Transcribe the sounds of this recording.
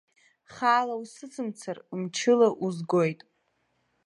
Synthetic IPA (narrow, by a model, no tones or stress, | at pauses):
χaːlausɨt͡sʰɨmt͡sʰarmt͡ʃʰɪlaʔuzɡojtʼ